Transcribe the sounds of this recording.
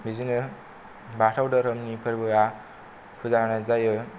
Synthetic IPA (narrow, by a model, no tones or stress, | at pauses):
bizinɯ | batʰawdɐɾɯmnipʰɯɾbɯa | pʰuzanɯzajɯ